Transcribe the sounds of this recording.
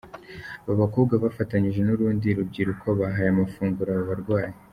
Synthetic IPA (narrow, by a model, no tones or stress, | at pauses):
aβaβakuːbɡaβafataɲiʒe̞nuɾuːndiɾub̚ɟiːɾukʰo̞βaɦajamafuːŋɡuɾaβaβaɾɡwaːje